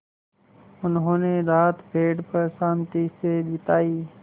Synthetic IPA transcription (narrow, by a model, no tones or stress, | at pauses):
ʊnɦõːneːɾaːt̪bʱeːɖpəɾsãːmt̪iːseːɗɪt̪aːiː